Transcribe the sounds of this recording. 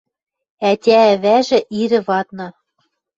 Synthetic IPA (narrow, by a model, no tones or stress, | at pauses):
æt̪ʲæːβæʒɘ̆ʔiɾɘ̆βɑt̪nɤ̆